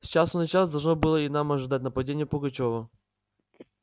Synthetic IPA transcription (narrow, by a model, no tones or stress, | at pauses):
sʲt͡ɕasʊnɨt͡ɕasd̪ɐlˠʐnobɨlˠəɪnamɐʐɨd̪atʲnəpɐdʲenʲɪjəpʊɡɐt͡ɕovə